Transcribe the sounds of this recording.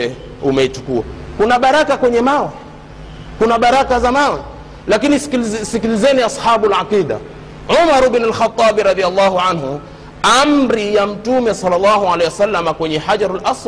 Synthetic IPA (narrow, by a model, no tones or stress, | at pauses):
ɛ | umɛit͡ʃukua̰kunaɓaɾakakwɛɲɛmawɛ | kunaɓaɾakazamawɛ | lakinisikilizɛniasħaːɓulʕaqiːda̰ | ʕumaɾubnalxat̪ˤːɑːɓɾɑðialːɑːhuʕanɦu | amɾijam̩tumɛsɑlːalːɑːhuʕalɛjwasalːamakwɛɲɛħad͡ʒaɾalʔas